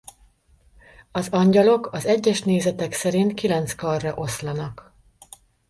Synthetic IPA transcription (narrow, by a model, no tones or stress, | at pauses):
ɒzɒɲɟɒlo̞kɒzɛɟːɛʃneːzɛt̪ɛksɛɾint̪kilɛnt̪skɒrːɒʔo̞slɒnɒk